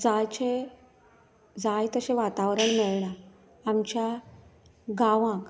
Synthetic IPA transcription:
d͡zajt͡ɕe | d͡zajt̪əɕẽʋat̪aʋɾəɳmeɭɳaː | mt͡ɕja | ɡaʋãk

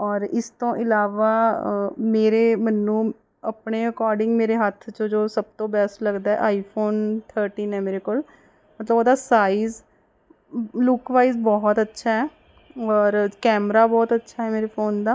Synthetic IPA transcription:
ɔːɾɪst̪õːʔɪlaːʋaː | meːɾeːmənːũː | əpɳeːəkɔːɾɖɪ̃ŋɡmeːɾeːɦət̪ʰt͡ʃd͡ʒoːsəb̚t̪õːbɛsʈləɡd̪aːɛ̰ːʔaːipʰoːnt̪ʰəːɾʈiːnɦɛːmeːɾekoːl | mət̪ləboːd̪aːsaːiːz | lʊkʋaːizbɔːt̪ətːʃʰaːɛː | ɔːɾkɛːmɾaːbɔːt̪ətːʃʰaːɦɛːmeːɾeːpʰoːnd̪aː

